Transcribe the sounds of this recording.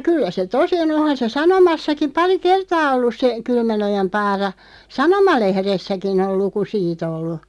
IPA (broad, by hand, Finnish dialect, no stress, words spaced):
kylːæ se tosi on ohɑn se sɑnomɑsːɑkim̆ pɑri kertɑː olːus se kylmænojɑm pɑːrɑ sɑnomɑlehresːækin ol luku siːt olːu